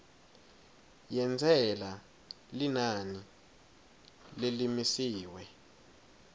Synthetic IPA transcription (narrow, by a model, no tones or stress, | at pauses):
jɛnd͡zʱɛla | linani | lilimisiːwɛ